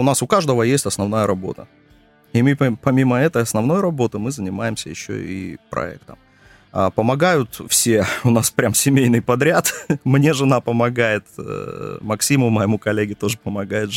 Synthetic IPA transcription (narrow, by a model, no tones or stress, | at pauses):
ʊnasʊkaʐd̪əvəjesʲtʲɐsnɐvnajəɾɐbo̞̰t̪ə̰ | imɨpɐmʲiməɛt̪əjɐsnɐvno̞jɾɐbo̞t̪ɨmɨzənʲɪmajɪmsʲə̰jɪ̰ɕːo̰ḭpɾɐ̰ɛ̰k̚t̪əm | əpəmɐɡajʊt̪fsʲeʊnaspɾʲamsʲɪmʲejnɨjpɐd̪ɾʲat̪mnʲe̞ʐɨnapəmɐɡajɪt̪ | mɐksʲimʊməjɪmukɐlʲːeɡʲɪt̪o̞ʐɨpəmɐɡajɪt̪